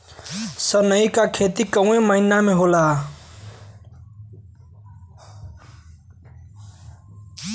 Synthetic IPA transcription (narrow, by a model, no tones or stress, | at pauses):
sʌnʌjkakʰet̪ikʌw̃ẽmʌinameɦola